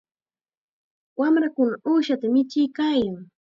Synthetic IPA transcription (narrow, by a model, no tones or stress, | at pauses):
wamɾakʊnaʔuːʃat̪amɪt͡ʃɪjkaːjaŋ